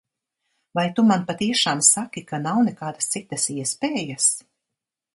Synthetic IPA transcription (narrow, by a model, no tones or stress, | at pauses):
vajt̪umanpat̪iɛʃaːmsakikanawnɛkaːd̪ast̪sit̪ɐsiɛspeːjas